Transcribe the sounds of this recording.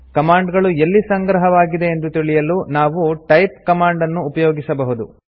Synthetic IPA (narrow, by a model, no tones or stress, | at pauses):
kɐmaːɳɖɡɐɭuelːisɐŋɡɾɐɦɐʋaːɡid̪e̞ːnd̪ut̪iɭijɐlunaːʋuʈɐjpkɐmaːɳɖɐnːuːpɐjoːɡisɐbɐɦud̪ṵ